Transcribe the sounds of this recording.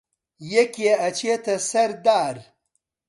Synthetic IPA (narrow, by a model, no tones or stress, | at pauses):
jekeɐt͡ɕet̪ɐsɐɾd̪aːɾ